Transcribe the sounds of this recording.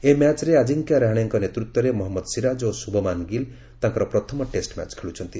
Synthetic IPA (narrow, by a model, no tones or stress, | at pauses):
emat͡ʃɾead͡ʒiŋkaɾaɦaɽ̃eŋkɔnet̪ɾut̪wɔɾemɔɦɔmːɔd̪siɾad͡ʒosubʱɔmanɡil | t̪aŋkɔɾɔpɾɔt̪ʰɔmɔʈesʈma̰t͡ʃkʰeɭut͡ʃʰɔnt̪i